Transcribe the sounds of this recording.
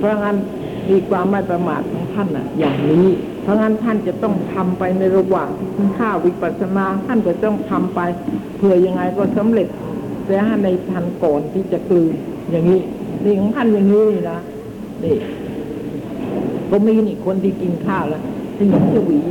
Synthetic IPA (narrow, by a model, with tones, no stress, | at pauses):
pʰɔ˧˦˥ŋa˦˥˩n | miː˧kʰwaː˧mːa˥˩jpɾa˧maː˨˩t̪̚kʰɔː˨˩˦ŋt̪ʰa˥˩nʔa̰˨˩jaː˨˩ŋniː˦˥ | pʰɔ˧˦˥ŋa˦˥nt̪ʰa˥˩nt͡ɕa˨˩t̪ɔ˥˩ŋt̪ʰa˧mpa˧jna˧jɾa˧waː˨˩ŋt̪ʰi˨˩kʰi˧nkʰaː˥˩wi˦˥pa˨˩t̪̚sa˧naː˧t̪ʰa˥˩nkɔː˧˩t̪ɔ˥˩ŋt̪ʰa˧mpa˧jpʰɯ˨˩əja˧ŋːa˧jkɔː˥˩sa˨˦mɾe˨˩t̪̚ | t̪ɛː˦˥ɦa˥˩na˧jt̪ʰa˧nkɔː˨˩nt̪ʰiː˥˩t͡ɕa˨˩klɯː˧njaː˨˩ŋːiː˦˥ | na˧˩˨kʰɔː˨˦ŋt̪ʰa˥˩njaː˨˩ŋiː˦˥niː˧˩na˦˥ | ni˧˩ | kɔː˧˩miː˧niː˧˩kʰo˧nt̪ʰiː˥˩ki˧nkʰaː˥˩lɛ˦˥t̪ʰa˥˩ji˨˦t͡ɕʰa˧˩wiː˨˦